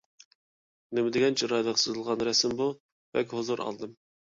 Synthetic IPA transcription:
nɪmɪd̪ɪɡʲɛnt͡ʃʰiɾɑjd̪ɑqsɨzɨlˠʁɑnɾɛsɪmbu | vɛ̰kʲhozuɾʔɑ̰lˠd̪ɨm

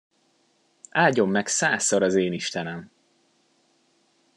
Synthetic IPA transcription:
aːɟo̞mːɛksaːsːoɾɒzeːniʃt̪ɛnɛm

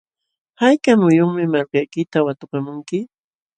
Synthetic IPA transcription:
hajkamʊjʊŋmɪmalkajkɪt̪awat̪ʊkamʊŋkɪ

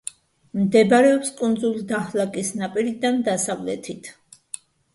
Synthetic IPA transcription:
md̪ɛbaɾɛɔpskʼund̪zulid̪ahlakʼisnapʼiɾid̪and̪asavlɛ̰t̪ʰit̪ʰ

